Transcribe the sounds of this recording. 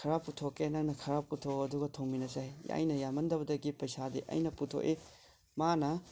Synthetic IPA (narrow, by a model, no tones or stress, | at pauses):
kʰɐɾapːutʰokenaŋnɐkʰɐɾapːutʰoɐduɡɐtʰoŋminɐsaja̰jnɐjamɐndɐbɐdɐɡipɐjsadiʔɐ̰jnɐputʰo̰ʔi | manɐ